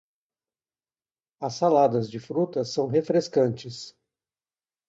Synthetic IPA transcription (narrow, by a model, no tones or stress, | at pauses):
ɐsːalad̪ɐzd͡ʒɪfɾut̪ɐsɐ̃w̃ɦefɾeskɐ̃nt͡ʃɪs